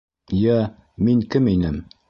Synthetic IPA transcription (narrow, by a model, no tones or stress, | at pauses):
jæ | miŋkɘminɘm